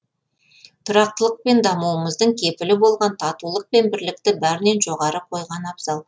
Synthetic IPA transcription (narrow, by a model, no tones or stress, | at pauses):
t̪ʰʊɾɑq̚t̪əlˠəq̚pe̞nd̪ɑmuwəməzd̪əɴkʲʰe̞pɪlɪbo̞lˠʁɑnt̪ʰɑt̪ulˠəq̚pe̞nbɪɾlɪk̚t̪ɪbæɾɪne̞nʒo̞ʁɑɾəqʰo̞jʁɑnɑbz̥ɑlˠ